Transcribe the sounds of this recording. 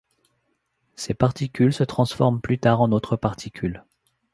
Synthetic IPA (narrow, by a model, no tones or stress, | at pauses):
sepaʁt̪ikʲylsət̪χɑ̃sfɔʁmplyt̪aːʁɑ̃not̪χəpaʁt̪ʰikʲʰyl